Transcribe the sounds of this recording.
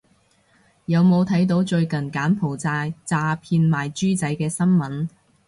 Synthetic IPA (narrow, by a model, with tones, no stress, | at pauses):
jɐ˨˧wmo˨˧wt̪ʰɐ˨˥jt̪̬o˨˥wt͡ʃɵ˧ɥkɐ˨˩nkaː˨˥npʰo˨˩wt͡saː˧t͡saː˧pʰiː˧nmaː˨˩jt͡ʃyː˥t͡sɐ˨˥jkɛː˧sɐ˥nmɐ˨˥n